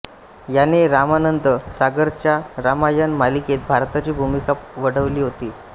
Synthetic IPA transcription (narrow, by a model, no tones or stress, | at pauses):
janeɾamanənt̪əsaɡəɾt͡ɕjaɾamajənmaliket̪̚bʱaɾt̪at͡ɕiːbʱumikapʋəɽəʋliːɦot̪iː